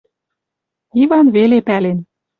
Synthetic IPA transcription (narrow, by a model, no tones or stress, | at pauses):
ivɑnβelepælen